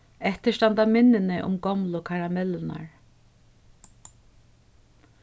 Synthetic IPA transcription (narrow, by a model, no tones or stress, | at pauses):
ɛht̪ɪʂt̪ant̪amɪnːɪnɪʔʊ̰mɡɔmlʊkʰaɹamɛlna̰ɹ